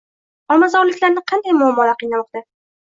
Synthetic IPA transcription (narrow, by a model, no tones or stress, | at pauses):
ɒmːazaɒlɪkʲlaɾnɪqʰɑnd̪ajmʊamːɒlaqɨjnamɒqt̪a